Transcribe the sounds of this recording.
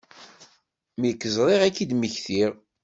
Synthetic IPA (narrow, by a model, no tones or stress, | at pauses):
mikːəzɾˤiʁækːid̪məçθiʁ